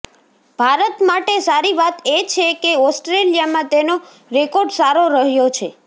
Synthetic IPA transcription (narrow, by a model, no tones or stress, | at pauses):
b̥ʱaɾət̪maʈesaɾiʋat̪et͡ʃʰekeɔsʈɾelijamãt̪eno | ɾekoɾɖsaɾoɾəɦjot͡ʃʰe